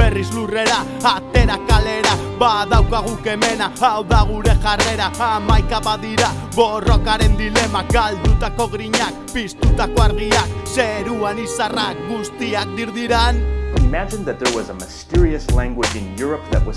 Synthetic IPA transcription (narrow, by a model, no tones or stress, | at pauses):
b̥e̞rizlure̞ɾaː | t̪e̞ɾakale̞ɾaβaðawkaɣuke̞me̞naawðaɣ̞uɾe̞ʝare̞ɾaːmajkaβaðiɾa | βo̞ro̞kaɾe̞nd̪ile̞maɡald̪ut̪ako̞ɣɾiɲak̚pist̪ut̪ako̞aɾɣiakse̞ɾuanisarakɡust̪iak̚d̪iɾðiɾanɪmæd͡ʒɨ̃nðɨt̪̚ðə˞wʌzəməstɪɹiɨslæ̃ŋɡwɪd͡ʒɪ̃njʊɹəp̚ðɨ̰t̚wʌz